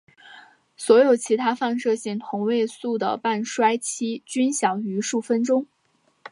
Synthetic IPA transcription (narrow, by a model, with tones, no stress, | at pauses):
swɔ˧˥jo˨˩ʊt͡ɕʰi˧˥t̪ʰa˥fa˥˧nʂɤ˥˧ɕi˥˩ŋt̪ʰʊ˧˥ŋwe˥˧ɪsu˥˩d̪ə̰˩pa˥˩nʂwa˥ɪt͡ɕʰi˥t͡ɕy˥nɕjɑ˨˩ŋy˧˥ʂu˥˩fə˥nʈ͡ʂʊ˥ŋ